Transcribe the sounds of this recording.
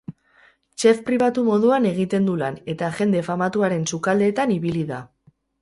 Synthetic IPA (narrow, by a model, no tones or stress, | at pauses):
t͡ʃe̞fpɾiβat̪umo̞ðuane̞ɣ̞it̪e̞nd̪ulane̞t̪aʝe̞nd̪e̞famat̪uaɾe̞nsukald̪e̞ːt̪aniβiliða